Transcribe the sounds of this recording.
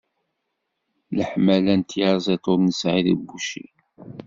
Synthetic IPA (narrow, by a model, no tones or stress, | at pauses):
ləħmælænt̪jɑɾzˤet̪ˤoɾnəsʕiðəbuʃḭ